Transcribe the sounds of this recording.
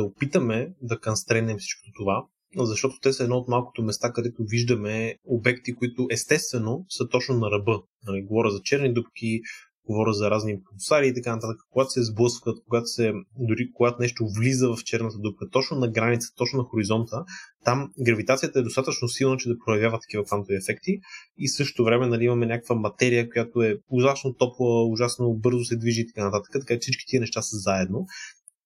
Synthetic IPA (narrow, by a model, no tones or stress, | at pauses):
ɐopit̪əmɛd̪ɐkɐnst̪ɾɛnɛmfsi̥t͡ʃko̥t̪ot̪ova | zɐʃt̪ɔt̪o̥t̪ɛsəɛd̪nɔot̪malˠko̥t̪omɛst̪akɐd̪ɛt̪oviʒd̪əmɛobɛkt̪ikoit̪ʊʔɛst̪ɛst̪vɛnosət̪ɔt͡ʃnonɐɾɐbɤnɐliɡovɔɾʲəzɐt͡ʃɛɾnid̪upk̟i | ɡ̥ovɔɾʲəzɐɾazniposaɾiːt̪ɐkanɐt̪at̪əkə̥koɡat̪o̥sɛzblˠɤskət̪̚k̚oɡat̪o̥sɛd̪ʊɾikoɡat̪onɛʃt̪ovlizəvɐft͡ʃɛɾnət̪əd̪up̚kət̪ɔt͡ʃnonɐɡɾanit̪sə̥t̪ɔt͡ʃnonɐxoɾizɔnt̪ət̪amɡɾɐvit̪at̪sijət̪əɛd̪ost̪at̪ət͡ʃnosilˠnət͡ʃɛd̪ɐpɾojɐvʲjavət̪ːɐ̥k̟ivəkvant̪oviɛfɛkt̪iisɤʃt̪t̪ovɾɛmɛnɐliimɐmɛnʲakəkvəmɐt̪ɛɾijəkojat̪oɛʊʒat̪t͡ʃnot̪ɔpovəʊʒasnobɤɾzosɛd̪viʒiːt̪ɐ̥kanɐt̪at̪ə̥kət̪ɐkat͡ʃɛ̥sit͡ʃki̥t̪iənɛʃt̪asəzaɛd̪no